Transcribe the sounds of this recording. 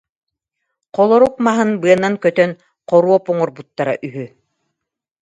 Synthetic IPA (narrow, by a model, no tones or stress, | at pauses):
qɔlˠɔɾuq̚maɦɯnbɯɐnːaŋkœt̪œn | qɔɾuɔpuŋɔɾbut̪ːaɾa̰ʔyɦy